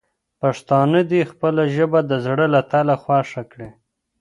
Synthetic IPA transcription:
paʂt̪ɑnəd̪ixpəlaʒəbad̪əzɽəlat̪alaxwɑʂakɽe

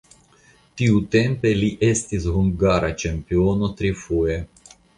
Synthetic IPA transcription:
t̪iut̪empeliʔest̪isɦuŋɡaɾat͡ʃempionot̪ɾifue

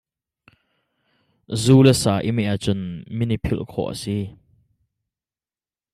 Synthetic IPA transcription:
zuːlɛsaːʔimɛʔat͡sʊnminipʰɪlʔkʰɔ̰ʔə̰si

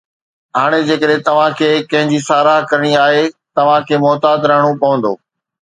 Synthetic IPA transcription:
ɦaːɽ̃ed͡ʑeːkəɗɦẽt̪ɐʋ̤ãkʰeːkɐ̃ɦɪ̃ɲd͡ʑisaːɾaːɦkɐɾəɽ̃iaːɦet̪ɐʋ̤ãkʰeːmɔːt̪aːd̪ɾɐɦəɽ̃opɐʋə̃nd̪oː

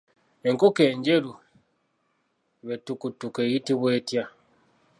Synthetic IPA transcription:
e̞ŋkoke̞ːɲɟe̞ɾu | βetukutukejitiβweːtja

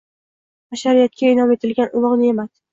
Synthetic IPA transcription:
aʃaɾijat̪̚kʲaɪnɒme̞t̪ʰɪlɡʲanʔʊlˠɒʁnɪemas

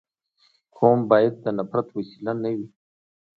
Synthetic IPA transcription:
kʰombɑjad̪̚ːənapɾat̪wasilanawi

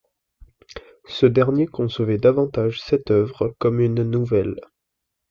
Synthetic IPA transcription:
səd̪ɛʁnjekɔ̃sovɛd̪avɑ̃t̪aʒsɛt̪œvʁəkɔmynːuvɛl

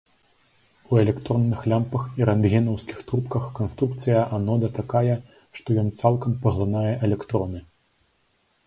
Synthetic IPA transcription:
uɛlʲɛkt̪ɾɔnːɨxlʲampɐxiɾand̪ɣʲɛnɐwskʲi̥xt̪ɾupkɐxkanst̪ɾuk̚t̪sɨjɐʔanɔd̪ɐt̪akajɛ | ʂt̪ɔjɔnt̪salˠkɐmpɐɣlˠanajɛʔɛlʲɛkt̪ɾɔnɨ

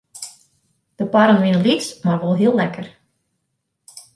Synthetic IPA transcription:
d̥əpaɾənʋɪnəlismaɹʋɔlˠɦiəlˠlɛkər

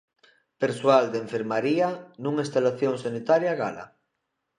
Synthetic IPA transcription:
peɾswald̪ẽɱfeɾmaɾianũŋist̪alaθjoŋsanit̪aɾjaɣa̰la̰

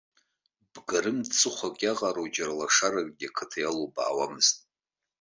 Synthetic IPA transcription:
b̥ɡaɾɨmt͡sʰɨχʷakʼaʁʼaɾod͡ʒarlaʂaɾakʼɡʲakʰɨtʰajaloba̰ːwamɨztʼ

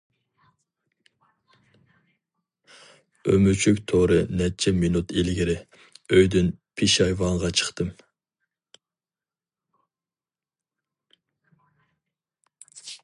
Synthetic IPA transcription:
ømyt͡ʃʰykʲt̪ʰoɾɨnɛt͡ʃʰɛminut̪ilɡʲiɾɪ | øjd̪ynpʰiʃɑjvɑŋʁɑt͡ʃʰə̥χt̪ɨm

